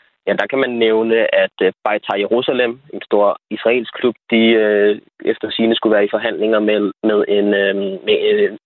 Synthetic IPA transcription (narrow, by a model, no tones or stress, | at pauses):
jæd̥ɑ̈kʰæmænːeʊnəʔæd̥b̥ɑ̈ɪt͡sʰɑ̈jeʁusælem̰e̝nsd̥o̝ɐ̰isʁɑ̈ḛːlsɡ̥kʰlub̥̚d̥iø | efd̥ɐsiːnəsɡ̥uʋæːɐifɒ̽ɦæn̰le̝ŋɐmeð̞ˠe̝nme